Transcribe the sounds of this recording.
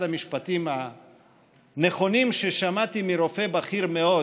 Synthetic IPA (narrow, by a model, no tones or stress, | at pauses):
damiʃpat̪ima | ne̞χo̞nimʃe̞ʃamat̪imiɾo̞fe̞baχiɾme̞o